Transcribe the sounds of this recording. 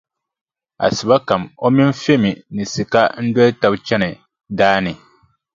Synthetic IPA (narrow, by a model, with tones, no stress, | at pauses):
a̰˨sɨ˨ba˦ka˨mo˦mi˦n˦fe˦mi˨nɨ˨si˨ka˦n̩˦dɔ˦ta˨bt͡ʃɛ˦nɨ˨ | daː˦nɨ˨